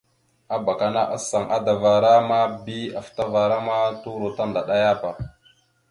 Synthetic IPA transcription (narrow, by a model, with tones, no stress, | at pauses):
a˦ba˨ka˨na˦ʔa˦sa˨ŋʔa̰˦da˨va˨ɾa˦ma˦bi˦a˨fta˦va˨ɾa˦ma˦tu˦ɾo˨ta˦nda˨ɗa˦ja˦pa˨